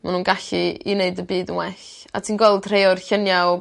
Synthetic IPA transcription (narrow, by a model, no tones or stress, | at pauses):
manuːnɡaɬiineɨdəbiːdənwɛɬ | a̰tʰiːnɡwɛlˠdr̥ejɔrɬənja